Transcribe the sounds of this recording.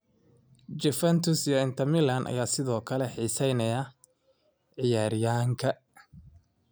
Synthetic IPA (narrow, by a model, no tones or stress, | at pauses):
d͡ʒɪfɛnt̪ʰʊsjɔɪnt̪ʰɐmɪlɐnʔɐ̰jaːsɪðɔːkʰɐlɛħiːsɛjnɐjɐ | ʕɪjaːɾɪjaːŋkʰɐ